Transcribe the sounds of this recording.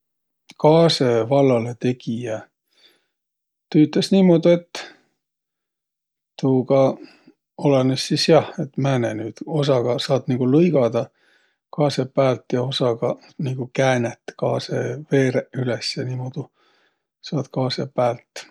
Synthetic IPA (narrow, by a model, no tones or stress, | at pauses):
kɑːse̞vɑlːɑlet̪e̞ɡijɑ | t̪yːt̪ˑlesniːmo̞d̪̥ue̞t̪ː | t̪uːkɑ | olɑnesːisjɑhe̞t̪mæːnenyːd̪̥o̞sɑɡ̥ɑsɑːd̪niɡ̥ulɤjɡɑd̪ɑ | kɑːsepːæːlt̪jɑo̞sɑɡ̥ɑ | niːɡ̥ukæːnet̪ːkɑːseve̞ːɾeylesjɑniːmoːd̪̥u | sɑːd̪̥kɑːsepːæːlt̪ːˑ